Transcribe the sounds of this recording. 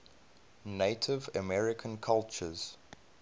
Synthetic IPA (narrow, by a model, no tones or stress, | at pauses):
neɪtʰɪvəmɛɹɪkʰə̃nkʰalˠt͡ʃəz̥